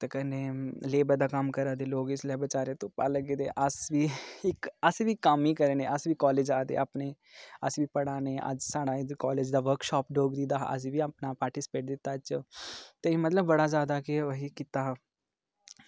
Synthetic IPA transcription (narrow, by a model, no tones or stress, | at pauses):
t̪ekəneːleːbəd̪aːkəmkəɾaːd̪eːloːɡɪslabət͡ʃaːɾẽt̪oːpa̰ːləɡeːd̪ḛːʔəsʋiːɪkəsiːʋiːkːəmiːkəɾeːnẽːʔəsʋiːkɔːleːd͡ʒaːd̪ḛːaːpneː | ə̰sbiːpəɽaːneːʔə̰d͡ʒsaːɽaːkɔːleːd͡ʒd̪aːʋəɾkʃɔːpɖoːɡd̪iːd̪aːɦʔə̰s̬ĩːʋiːapnaːpaːɾʈiːsɪ̥peːʈ̚d̪ɪt̪ːaːt͡ʃot̪eimət̪ləbːəɽaːzjaːd̪aːkeoɦiːkɪt̪aːɦ